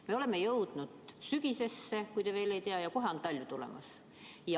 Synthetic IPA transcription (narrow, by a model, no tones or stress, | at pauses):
me̞o̞le̞mːe̞jɤwd̪̥nud̪̥syɡ̥ise̞sːe̞kujd̪eve̞ːle̞jt̪eɑjɑkoɦeont̪ːɑlʲːjut̪ulḛmɑ̰s | jɑ